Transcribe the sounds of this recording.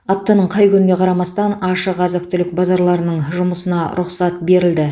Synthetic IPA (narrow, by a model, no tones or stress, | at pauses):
ɑp̚t̪ɑnəɴqʰɑjkʲʰʏnɪne̞qʰɑɾɑmɑst̪ɑnɑʃəʁɑzək̚t̪ʏlɪk̚bɑzɑɾlˠɑɾənəɴʒʊməsənɑɾʊqsɑt̪̚be̞ɾɪld̪ɪ